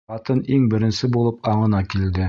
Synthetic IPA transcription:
ɑt̪ɤniŋbɘ̆ɾɘ̆nsɘbulˠɤpɑɴɤ̆nɑkild̪ɘ

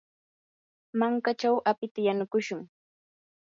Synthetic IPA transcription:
maŋkat͡ʃawʔapɪt̪ajanʊkʊʃʊŋ

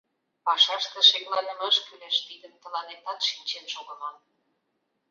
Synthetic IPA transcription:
pɑʃɑʃt̪ə̆ʃeklɑnəməʃkyleʃt̪id̪əmt̪ə̆lɑnet̪ɑt̪ʃinʲt͡ɕenʃoɣə̆mɑl

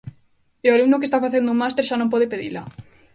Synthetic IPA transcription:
eoalumnʊk̬est̪afaθend̪ʊmast̪eɾʃanõmpɔðepeðḭla

